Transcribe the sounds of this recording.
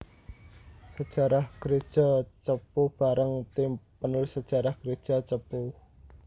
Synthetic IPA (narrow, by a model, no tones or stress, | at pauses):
səd̥ʒ̥a̤ɾahɡ̥ɾed̥ʒ̥at͡ʃəpub̥aɾəŋt̪impənʊlsə̥ʒ̥a̤ɾahɡ̥ɾed̥ʒ̥a̤t͡ʃəpu